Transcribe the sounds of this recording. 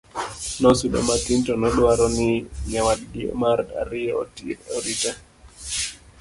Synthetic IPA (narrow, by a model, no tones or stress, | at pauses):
nɔsudɔ̰matintɔnɔɗwaɾɔnɪɲawadɡiɔ̰maɾda̰ɾiɔ̰tiɔɾita